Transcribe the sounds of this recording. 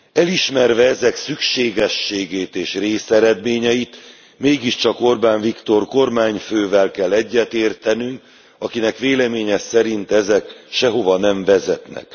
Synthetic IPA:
ɛliʃmɛrvɛɛzɛksykʃeːɡɛʃːeːɡeːt̪eːʃreːsɛɾɛd̪meːɲɛjit̪ | meːɡiʃt͡ʃɒko̞rbaːɱvikt̪o̞rko̞rmaːɲføːvɛlkɛlːɛɟːɛt̪eːrt̪ɛnyŋk | ɒkinɛkʋeːlɛmeːɲɛsɛɾint̪ɛzɛkʃɛɦo̞vɒnɛɱvɛzɛt̪nɛ̰k

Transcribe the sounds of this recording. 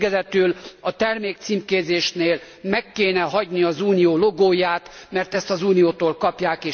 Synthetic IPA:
ɡɛzɛt̪ylɒt̪ɛrmeːk̚t̪siːmkeːzeːʃneːl | mɛkːeːnɛɦɒɟniɒzuːnijoːloɡoːjaːt̪mɛrt̪ɛst̪ɒzuːnijoːt̪oːlkɒpjaːkeː

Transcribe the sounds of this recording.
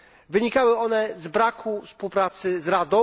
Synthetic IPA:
vɘɲikawɘɔnɛzbɾakʰufspuwpɾat̪sɘzɾad̪ɔ̃

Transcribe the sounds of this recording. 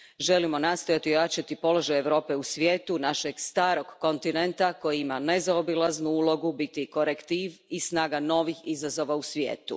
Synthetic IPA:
ʒe̞limo̞nast̪o̞jat̪iojat͡ʃat̪ipo̞lo̞ʒajeʋɾo̞ːpe̞usʋje̞ːt̪unaʃeɡst̪aːɾo̞ɡːo̞nt̪inent̪ako̞jiimane̞zaobilˠaznuulˠo̞ɡubit̪iko̞ɾekt̪iːʋisnaːɡano̞ʋixizazo̞ʋausʋjḛːt̪ṵ

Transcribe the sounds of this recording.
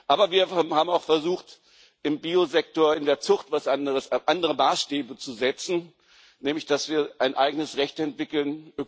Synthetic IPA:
ʔaːbɐviːɐhaːbm̩aʊxfɛɐzuːxt | ʔɪmbiːozɛk̚toːɐɪndeːɐt͡sʊχtv̥asʔandəʁəsʔandəʁəmaːsʃtɛːbət͡suzɛt͡sn̩ | nɛːmlɪçd̥asv̥iːɐʔaɪnʔa̰ɪɡənəsʁɛçtɛntv̥ɪkl̩nʔø

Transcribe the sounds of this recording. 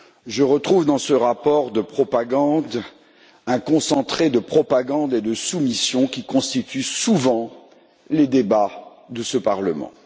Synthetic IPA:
ʒəʁət̪χuvd̪ɑ̃səʁapɔʁd̪əpχɔpaɡɑ̃d̪ | ɛ̃kɔ̃sɑ̃t̪χed̪əpχɔpaɡɑ̃d̪ed̪əsumisjɔ̃kʲikɔ̃st̪it̪ʰysuvɑ̃ | led̪eba | d̪əsəpaʁləmɑ̰̃

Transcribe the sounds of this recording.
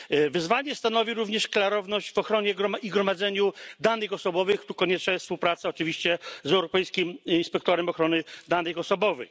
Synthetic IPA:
vɘzvaɲɛst̪anɔvʲiɾuvɲɛʂklaɾɔvnɔʑd͡ʑvɔxɾɔɲɛɡɾɔmaʔiɡɾɔmad̪zɛɲud̪anɘxɔsɔbɔvɘxt̪ukɔɲɛt͡ʂnajɛsspuwpɾat̪saɔt͡ʂɘvʲiɕt͡ɕɛzɛwɾɔpɛjskʲiminspɛk̚t̪ɔɾɛmɔxɾɔnɘd̪anɘxɔsɔbɔvɘ̰x

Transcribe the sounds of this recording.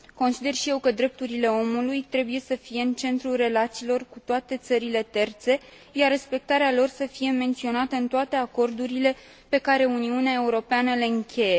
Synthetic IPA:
ko̞nsid̪e̞rʃije̞wkəd̪ɾe̞p̚t̪uɾile̞o̞mulujt̪ɾe̞buje̞səfije̞ɨnt͡ʃe̞nt̪ɾulre̞lat̪siːlo̞rkut̪oat̪e̞t̪səɾile̞t̪e̞rt̪se̞ | jarre̞spe̞k̚t̪aɾealo̞rsəfije̞me̞nt̪sio̞nat̪əɨnt̪oat̪e̞ako̞rd̪uɾile̞ | pe̞kaɾe̞uniuneae̞uɾo̞peanəle̞ɨŋkʲe̞je̞

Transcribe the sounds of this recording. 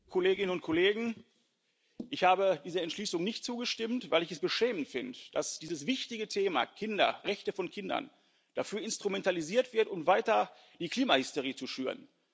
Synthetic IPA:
kʰɔleːɡɪnənʊntkʰɔleːɡŋ̩ | ʔɪçhaːbədiːzɐɛntʃliːsʊŋnɪçtt͡suːɡəʃtɪmtv̥aɪlɪçɛsb̥əʃɛːmən̩tfɪndəd̥asd̥iːzəsv̥ɪçtɪɡətʰeːma̰kʰɪndɐ̰ʁɛçtəfɔnkʰɪndɐ̰n | d̥afyːɐɪnstʁ̥umɛntaliziːɐtv̥ɪɐtʊmvaɪtɐ | d̥iːkl̥iːmahɪstoʁiːt͡suʃyːʁən

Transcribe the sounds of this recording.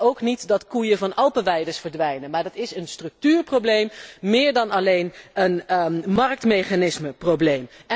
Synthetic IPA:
owknitdɑtkujəvɑnɑlˠpəʋɛjdəɹsfəɹdʋɛjnəmaːɹdɑtɪsənstrɵk̚tyːɹprowblejmːɪːɹdɑnɑlejnənmɑrk̚tmejχanɪsməprowblejm

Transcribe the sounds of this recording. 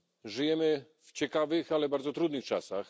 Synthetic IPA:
ʐɘjɛmɘ | ft͡ɕɛkavɘxalɛbaɾd̪zɔt̪ɾud̪nɘxt͡ʂasax

